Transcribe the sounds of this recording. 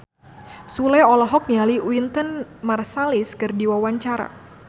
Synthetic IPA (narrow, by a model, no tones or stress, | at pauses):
sulajɔlɔɦɔk̚nialiwint̪ənmarsaliskɨrdiwawaɲt͡ʃaɾa̰